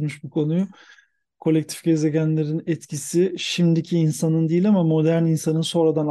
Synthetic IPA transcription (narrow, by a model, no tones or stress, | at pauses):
muʃbukʰo̞nuju | kʰo̞lʲɛc̚t̪ʰi̥fɟeze̞ɟʲænlʲe̞ɾinɛt̪cʰisiʃimd̪icʰiːnsanɯnd̪ijilʲamamo̞d̪æɾninsanɯnso̞nɾad̪an